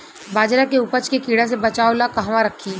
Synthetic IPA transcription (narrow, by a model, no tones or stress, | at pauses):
baːd͡ʒɾakeʊpət͡ʃkekiːɽas̬ebɐt͡ʃaːolakɐɦʋãɾɐkʰːiː